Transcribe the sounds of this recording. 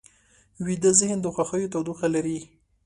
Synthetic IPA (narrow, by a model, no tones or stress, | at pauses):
wid̪əzɪhnd̪əxwaxəjot̪awd̪uqalaɾi